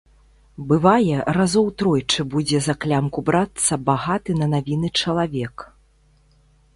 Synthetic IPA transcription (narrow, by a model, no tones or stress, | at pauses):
bɨvajɛɾazɔwt̪ɾɔjt͡ʂɨbud͡zʲɛzɐklʲamkubɾat̪sːɐbaɣat̪ɨnɐnavʲinɨt͡ʂɐlˠavʲɛk